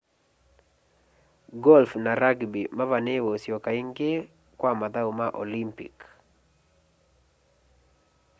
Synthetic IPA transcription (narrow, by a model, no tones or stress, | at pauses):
ɡɔlfnaɾaɡbimavanewosjokaɪŋɡe | kwamad̪aumaʔolimpḭk